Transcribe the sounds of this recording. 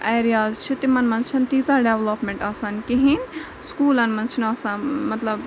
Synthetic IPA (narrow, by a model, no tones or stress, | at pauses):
eːɾijazt͡ʃʰut̪imɐnmɐnt͡ʃʰɐnt̪iːzaːɖeːʋlopmẽɳʈɐsɐnkiɦinʲ | skuːlɐnmɐnt͡ʃʰunɐsɐnmɐt̪lɐb